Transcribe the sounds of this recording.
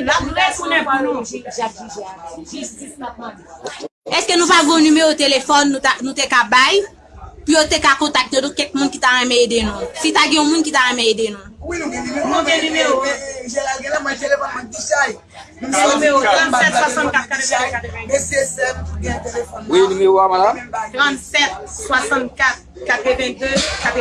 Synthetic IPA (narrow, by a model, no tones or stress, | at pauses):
ɛskenũpaɡɔ̃nymeʁot̪elefɔnːũnũt̪ekabaj | pijot̪ekakɔ̃t̪ak̚t̪nõt̪ukɛk̚mũnkit̪aʁɛ̃mɛ̃edenũsitaɡɛ̃ũmũnkit̪aʁɛ̃mɛ̃edenũwinũɡɛ̃nmnũɡɛ̃nymeʁoʒɛlaɡɛ̃lãmɛ̃t̪elefɔnmɔ̃d̪iʃaj | nm̃ũmeoʁãt̪sɛt̪sswasɑ̃nkat̪kat̪əvɛ̃d̪økat̪əvɛ̃esesɛt̪ɡɛ̃t̪elefɔnnymeoamãlat̪ʁãt̪sɛt̪̚swasɑ̃t̪kat̪ | kat̪ʁəvɛ̃d̪økat̪